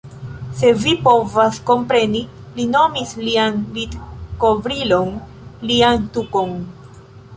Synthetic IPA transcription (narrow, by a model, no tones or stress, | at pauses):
se̞vipo̞vasko̞mpɾe̞ni | lino̞mislianvidko̞vɾilo̞n | liantuko̞n